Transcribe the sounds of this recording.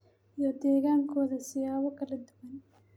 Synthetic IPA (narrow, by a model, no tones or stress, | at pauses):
jɔd̪ɛːɣaːŋkʰɔːðɐsɪjaːwɐkɐlɛd̪ʊwɐn